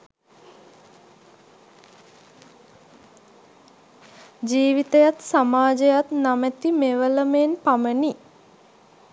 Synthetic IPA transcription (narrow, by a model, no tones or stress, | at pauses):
d͡ʒiːʋit̪əjat̪samaːd͡ʒəjat̪namət̪imeʋələmeːnpaməni